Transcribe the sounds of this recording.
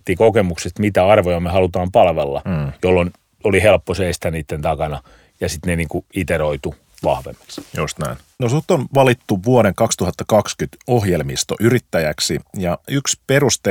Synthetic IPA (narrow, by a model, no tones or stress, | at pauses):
t̪ːikokemuksest̪mit̪æɑrʋojɑmehɑlut̪ɑːmpɑlʋelːɑ̰jolːon | olihelpːoseist̪æniːt̪ːent̪ɑkɑnɑ | jɑsit̪neniːŋkuit̪eɾoit̪u | ʋɑ̰hʋḛmːe̥ksjost̪næ̰in | nosut̪ːonʋɑlit̪ːuʋuoɾeŋkɑkst̪uhɑt̪ːɑkɑkskyt̪ohjelmist̪o̰ʔyrit̪ːæjæksijɑyksperust̪e